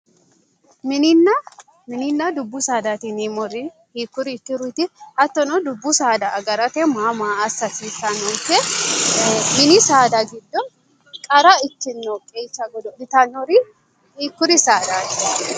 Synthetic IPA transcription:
mɪnɪnːɐ | mɪnɪnːɐd̪ʊbːʊsaːd̪aːt̪ɪnimɔɾɪ | hiːkːʊɾɪːkːɪɾʊjt̪ɪhɐt̪ːɔnɔd̪ʊbːʊsaːd̪ɐɐɡɐɾɐt̪ɛmaːmaːsːɐsiːsɐnɔnkːɛ | mɪnɪsaːd̪ɐɡɪd̪ːɔ | kʼɐɾɐɪtːɪnːɔkʼːet͡ʃːɐɡɔd̪ɔɪt̪ɐnɔɾɪ | hiːkːʊɾɪsaːd̪aːt̪ɪ

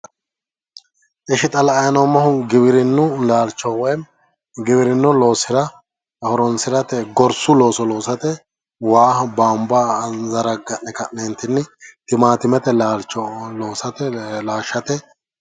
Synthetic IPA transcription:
ʔɛʃɪt̪ʼɐlɐɐjɐnɔmɐhʊɡɪbɪɾɪnːʊlaːlt͡ʃːɔwɔjm | ɡɪβɪɾɪnːʊlo̞ːsɪɾɐ | hɔɾɔnsɪɾɐt̪ɛɡɔɾsʊlo̞ːsɔlo̞ːsɐt̪ɛ | waːhbaːmbazɐɾɐɡɐʔnɛkɐʔneːnt̪ɪnːɪt̪ɪmaːt̪ɪmɛt̪ɛlaːlt͡ʃːɔlo̞ːsɐt̪ɛlaːʃːɐt̪ɛ

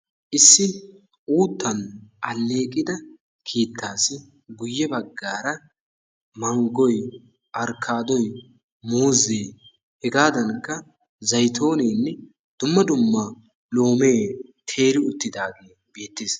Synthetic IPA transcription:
ʔɪsːɪ | uːt̪ːɐnʔɐlːe̞ːkʼɪd̪ɐ | kʰiːt̪ːaːsɪ | ɡʊjːɛbɐɡːaːɾɐ | mɐŋɡɔj | ʔɐɾkʰːaːd̪ɔj | muːzeː | hɛɡaːd̪ɐnkːɐ | zɐjt̪ʰo̞ːneːnːɛ | d̪̥ʊmːɐd̪ʊmːɐ | lo̞ːme̞ːt̪ʰeːɾɪʊt̪ːɪd̪aːɡe̞ː | b̥e̞ːt̪ːeːs

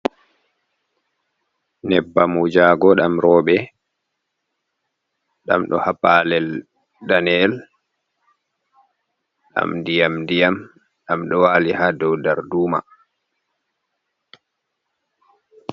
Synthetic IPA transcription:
nɛbːamud͡ʒaːɡɔɗamɾɔːɓɛ | ɗa̰mɗɔ̰hapalɛl | danɛl | ɗa̰mdijamdijam | ɗamɗɔwaːlihadɔwdaɾduːma̰

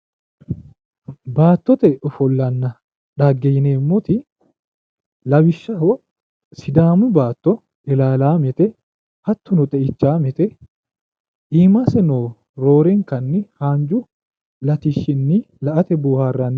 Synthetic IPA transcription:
baːt̪ːɔt̪ɛʔɔfɔlːɐnːɐ | ᶑaɡːɛjɪneːmːot̪ɪ | lɐwɪʃːɐhɔ | sɪd̪aːmʊbaːt̪ːɔ | ɪlaːlaːmɛt̪ɛ | hɐt̪ːʊnʊt̪ʼɛʔɪt͡ʃːaːmɛt̪ɛ | ʔiːmasɛnoː | ɾoːɾɛŋkɐnːɪhaːnd͡ʒʊ | lɐt̪ɪʃːɪnːɪ | lɐʔɐt̪ɛbuːhaːrːɐnː

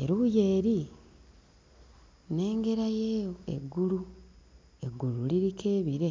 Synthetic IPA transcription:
e̞̰ɾuuje̞ːɾi | ne̞ːŋɡe̞ɾajeːjoe̞̰ɡːulu | e̞ɡululiɾike̞ːβiɾe̞

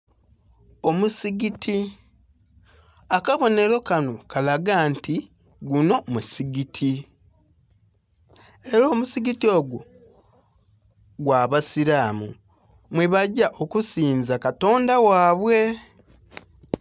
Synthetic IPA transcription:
o̞musiɡiti | akaβo̞ne̞ɾo̞kano̞kalaɡaːnti | ɡuno̞musiɡitʰi | eɾoːmusiɡitio̞ːɡu | ɡwaːβasilaːmṵ | mweβaɟaʔo̞kusiːnzakato̞ːndawaːβwe̞

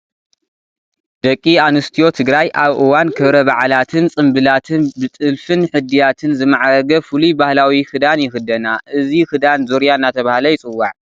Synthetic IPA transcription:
d̪̥ɐkʼːianɨst̪ʰijo̞t̪ʰɨɡɾajʔaβʔɨwankʰɨβɾɐβaʕlat̪ʰɨnt͡sʼɨmbɨlat̪ʰɨnbɨt̪ʼɨlfɨnħɨd̪ijat̪ʰɨnzɨmaʕaɾɐɡɐfɨlubahlawixɨd̪anjɪxɨd̪ɐnaʔɨzixɨd̪anzoɾjaɨnːat̪ʰɐβahlɐjɪt͡sʼɨwːaʕ

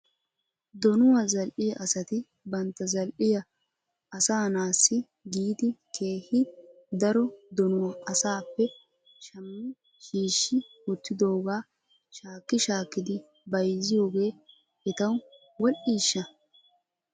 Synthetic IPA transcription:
d̪ɔnʊwɐzɐlʔɪjɐʔɐsɐt̪ɪ | bɐnt̪ːɐzɐlʔɪjɐ | ɐsaːnaːsːɪ | ɡiːd̪ɪkʰeːhɪ | d̪ɐɾɔd̪ɔnʊwɐʔɐsaːpːɛ | ʃɐmːɪ | ʃiːʃːɪwɔt̪ːɪd̪o̞ːɡaː | ʃaːkːɪʃaːkːɪd̪ɪ | bɐjzɪjo̞ːɡe̞ː | ɛt̪ɐw | wɔlʔiːʃːɐ

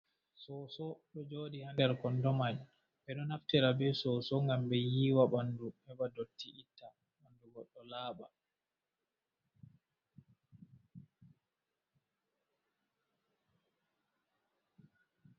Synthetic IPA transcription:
sɔsɔɗɔd͡ʒoːɗihandɛɾkɔndɔmad͡ʒ | ɓɛɗɔnaftiɾabɛsɔsɔŋɡambɛjiːwaɓanduhɛbadotʰːiʔitːa | banduɡɔɗːɔlaːɓa

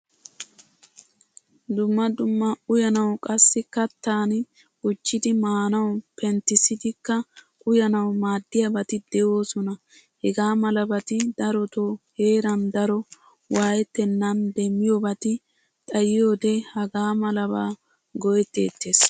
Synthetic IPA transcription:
d̪ʊmːɐd̪ʊmːɐʊjɐnɐwkʼɐsːɪkɐt̪ːaːn | ʊt͡ʃːɪd̪ɪmaːnɐwpɛnt̪ːɪsɪd̪ɪkːɐ | ʊjɐnɐwmaːd̪ːɪjɐbɐt̪ɪd̪̥ɛʔo̞ːsɔnɐ | hɛɡaːmɐlɐbɐt̪ɪd̪ɐɾɔt̪oːhe̞ːɾɐnd̪ɐɾɔ | waːjɛt̪ːɛnːɐnd̪ɛmːɪjobɐt̪ɪ | t̪ʼɐjɪjo̞ːd̪ɛhɐɡaːmɐlɐbaː | ɡɔjɛt̪ːe̞̰ːt̪ːeːs

